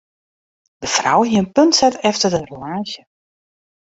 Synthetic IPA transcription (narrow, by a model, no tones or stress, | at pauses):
d̥əfra̰wɦiənpøntsɛtɛftərdəromaːzjə